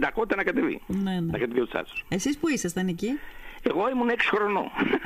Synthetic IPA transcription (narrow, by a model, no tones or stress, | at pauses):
d̪ɐkot̪it̪ɐnɐkɐt̪evḭnenenɐkɐt̪iviot̪sɐ̰t̪u̥sesispuisest̪ɐnicieɣo̞imuneksi̥xɾono̰